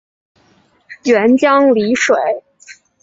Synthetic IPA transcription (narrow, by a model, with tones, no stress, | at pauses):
ɥɛ˧˥nt͡ɕjɑ˥ŋli˧˥ʂwe˨˩˦ɪ